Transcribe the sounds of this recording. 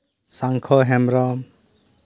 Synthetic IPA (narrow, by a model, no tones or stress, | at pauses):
saŋkʰɔɦɛmɾɔ